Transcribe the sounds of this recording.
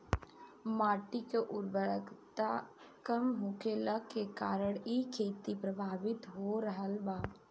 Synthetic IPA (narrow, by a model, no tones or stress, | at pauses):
maːʈikeʔʊɾbəɾəkt̪a | kəmɦokelakekaːɾəɽiːkʰeːt̪ipɾəbʱaːʋɪt̪ɦoɾəɦəlbaː